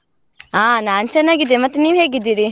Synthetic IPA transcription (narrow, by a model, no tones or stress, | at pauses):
aːnaːnt͡ʃɛnːaːɡid̪ːemɐt̪ːeniːʋɦeːɡid̪ːiːɾi